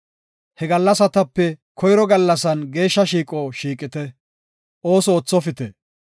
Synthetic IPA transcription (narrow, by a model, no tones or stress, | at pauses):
hɛɡɐlːɐsɐt̪ɐpːɛkʰɔjɾɔɡɐlːɐsɐnɡe̞ːʃːɐʃiːkʼɔʃiːkʼɪt̪ɛ | ʔoːsɔːt͡sːɔfɪt̪ɛ